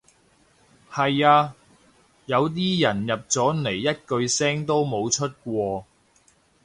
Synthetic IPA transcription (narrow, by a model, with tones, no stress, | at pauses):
hɐ˨jaː˧ | jɐ˨˧wt̪̬iː˥jɐ˨˩njɐ˨p̚t͡sɔː˨˥ne˨˩jːɐ˥t̚kɵ˧ɥsɛː˥ŋt̪o˥wmo˨˧wt͡ʃʰɵ˥t̚kʷɔː˧